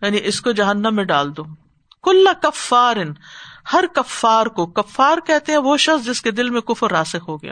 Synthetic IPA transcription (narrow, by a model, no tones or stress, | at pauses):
jaːniʔɪskod͡ʒɐɦənːəmːẽɖaːld̪õː | kʊlːɐkɐfːaːɾɪnhɐɾkɐfːaːɾkokɐfːaːɾkɛɦt̪eɦɛ̃ʋoʃɐxsd͡ʒɪsked̪ɪlmẽkʊfɾːaːsɪxɦoɡɐja̰ː